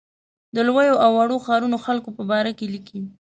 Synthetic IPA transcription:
d̪əlwəjoʔawːaɽoxɑɾunoxalkopəbɑɾakelikʰi

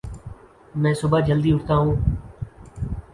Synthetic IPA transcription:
mɛ̃ːsʊbaːd͡ʒəld̪iːʊʈʰt̪aːɦũː

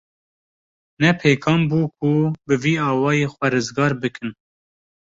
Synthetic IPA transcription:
nɛpʰeːkʰɑːmbuːkʰubɨviːɑːwɑːjeːxwɛɾɨzɡɑːɾbɨkʰɨn

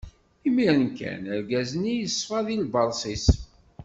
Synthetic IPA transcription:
imiɾənkæ̰nəɾɡæznijəsˤːfɑðilbɑɾˤsˤis

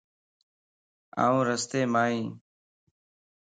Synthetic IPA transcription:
a̰ːũːɾəst̪eːmaːɦĩː

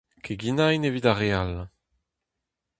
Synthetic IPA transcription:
kʰeɡinainevidaʁeal

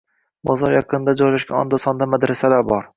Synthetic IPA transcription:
bɒzɒɾjɑqʰɨnd̪ad͡ʒɒjlaʃɡʲaɒ̰nd̪ɒsɒnd̪amad̪ɾasalaɾbɒɾ

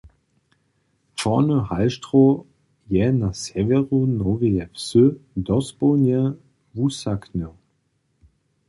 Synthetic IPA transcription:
fɔnəhalʃtʁ̥o | jɛnasɛvɛʁunoveɛpsød̪ɔsb̥onjɛ | vusaknə

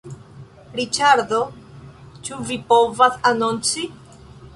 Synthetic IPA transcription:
ɾit͡ʃaɾd̪o̞ | t͡ʃuvipo̞vasanont͡si

